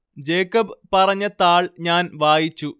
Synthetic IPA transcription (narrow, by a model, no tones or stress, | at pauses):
d͡ʑeːkːɐbpɐrɐɲːɐt̪aːɭɲaːnʋaːjit͡ɕːu